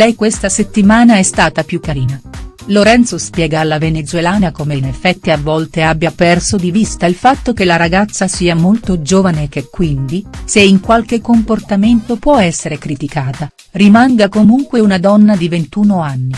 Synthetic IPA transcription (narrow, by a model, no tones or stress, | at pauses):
lɛjkwest̪aset̪ːimaːnaɛst̪aːt̪apjukːaɾiːnaloɾɛnt̪sospjɛːɡaːlːavenet̪zwelaːnakomeinefːɛt̪ːiavːɔlt̪eabːjapɛrsod̪ivist̪ailfat̪ːokelaɾaɡat̪sːasiːamolt̪od͡ʒoːvanek̟ekːwind̪iseiŋkwalk̟ekːomport̪ament̪opwɔɛsːeɾekɾit̪ikaːt̪a | rimaŋɡakomuŋkweunad̪ɔnːad̪ivent̪uːnoanːi